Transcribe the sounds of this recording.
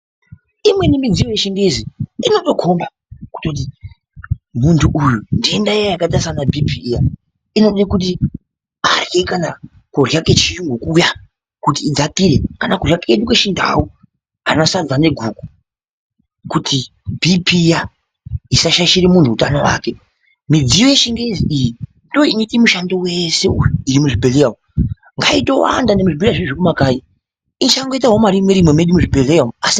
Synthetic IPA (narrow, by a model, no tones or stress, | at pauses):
imwe̞nimid͡zijojeʃindeziino̞to̞kʰo̞mba | ku̥to̞t̬i | muntʰuʔujundiendajakatasanabʱipiːja | ino̞ɗekut̬i | arjekana | kurjaket͡ʃiuŋɡukuja | kutiːd͡zatiɾekanakurjakeɗukeʃinda̰wu | anasad͡zane̞ɡʱuːku̥ | kutʰi | bʱipija | isaʃaʃiɾimuntʰuːutanowa̰ːke | mid͡zijojeʃiŋɡeziiji | ndoinitimuʃando̞we̞se̞ujuiɾimuʐibʱeleamu | ŋɡa̰ito̞wa̰ndandemuʐibiliaʐiʐikumakai | init͡ʃakaŋɡoitaɦomaɾimeɾimwemeɗumuʐibʱeleamuasi